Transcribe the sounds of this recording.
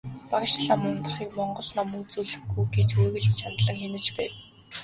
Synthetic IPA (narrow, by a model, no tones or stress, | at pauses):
paɣ̆ʃɮaːmʊmt̪ə̆rχiːkmɔɴɢɞ̆ɮnamɵt͡suɮɵ̆xɡujɡet͡ɕuɣɘ̆ɮt̪t͡ɕʰanɮə̆ŋxenɘ̆t͡ɕpæːn